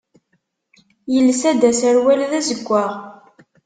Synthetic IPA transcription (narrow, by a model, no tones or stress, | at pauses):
jəlːsæd̪æsæɾwælðæzəɡʷːaʁ